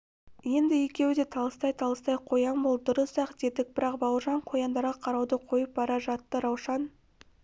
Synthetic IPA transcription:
je̞nd̪ɪje̞kʲe̞wɪd̪e̞t̪ʰɑlˠəst̪ɑjt̪ʰɑlˠəst̪ɑjqʰo̞jɑnbol̚ˠd̪ʊɾəsɑqd̪e̞d̪ɪk̚b̥ɪɾɑqbɑwəɾʒɑɴqʰo̞jɑnd̪ɑɾʁɑqʰɑɾɑwd̪əqʰo̞jəp̚bɑɾɑʒɑt̪ːəɾɑwʃɑn

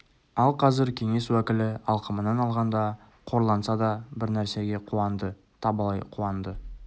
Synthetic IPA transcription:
ɑlˠqʰɑzɪɾkʲʰe̞ŋe̞swækʲɪlɪɑlˠqəmənɑnɑlˠʁɑnd̪ɑ | qʰo̞ɾlˠɑnsɑd̪ɑbɪɾnæɾse̞ɡʲe̞qʰuɑnd̪ə | t̪ʰɑbɑlˠɑjqʰuɑnd̪ə

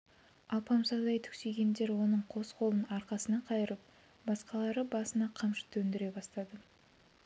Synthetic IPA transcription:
ɑlˠpɑmsɑd̪ɑjt̪ʰʏ̥kse̞ɡʲe̞nd̪e̞ɾwo̞nəɴqʰo̞sqʰo̞lˠənɑɾqɑsənɑqʰɑjəɾəp̚ | bɑsqɑlˠɑɾəbɑsənɑqʰɑmʃə̥t̪ɵnd̪ɪɾe̞bɑst̪ɑd̪ə

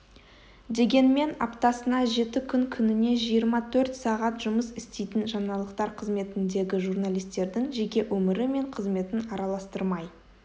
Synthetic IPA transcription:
d̪e̞ɡʲe̞nme̞nɑ̰pt̪ɑsənɑʒe̞t̪ɪkʲʰʏŋkʲʰʏnɪne̞ʒijəɾmɑt̪ʰɵɾt̪sɑʁɑt̪ʒʊməsɪst̪e̞jt̪ɪnʒɑnɑlˠəqt̪ɑɾqʰəzme̞t̪ɪnd̪e̞ɡʲɪʒuɾnalʲijst̪e̞ɾd̪ɪŋʒe̞kʲe̞wʔɵmɪɾɪme̞ɴqʰəzme̞t̪ɪnɑɾɑlˠɑst̪əɾmɑj

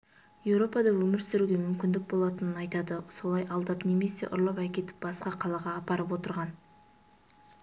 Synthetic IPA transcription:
je̞wɾo̞pɑd̪ɑwɵmɪɾsɪɾuɡʲe̞mʏmkʲɪnd̪ɪk̚bo̞lˠɑt̪ənənɑjt̪ɑd̪əso̞lˠɑjɑlˠd̪ɑpne̞me̞se̞̰ʔʊ̰ɾlˠɑpækʲe̞t̪ɪ̥p̚bɑsqɑqʰɑlˠɑʁɑːpɑɾəp̬wo̞t̪əɾʁɑn

